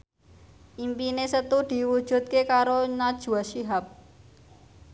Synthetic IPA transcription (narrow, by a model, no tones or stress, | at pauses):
imbinesɐt̪uɖiwut͡ʃut̪̚kekaːɾonat͡ʃuwɐʃiɦɐb̚